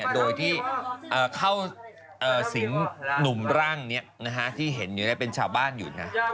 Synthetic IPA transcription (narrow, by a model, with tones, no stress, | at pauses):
i˥˩doː˧jt̪ʰiː˥˩ʔɤː˨˩kʰa˥˩w | ʔɤː˨˩si˩˦ŋnu˨˩mɾaː˥˩ŋni˦˥ɐna˦˥kʰa˦˥t̪ʰiː˥˩ɦe˩˦njuː˨˩a˦˥˩pe˧nt͡ɕʰaː˧wbaː˥˩njṵː˨˩na˦˥